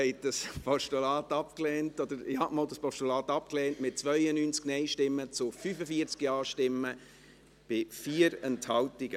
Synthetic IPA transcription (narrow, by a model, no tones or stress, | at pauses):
hɛɪt̚d̥ɑspʰɔʃtulɑːtɑpklɛːntɔd̥əɾɪhɑʔmoːldɑspɔʃtulɑːtɑp̚klɛːntmɪt̚t͡svʋœʏənyːnt͡sknɛɪʃtɪmːət͡sʊfyfəfiəɾt͡skjɑːʃtɪmːə | b̥ɪfiːɾɛnthɑwtiɡ̥ə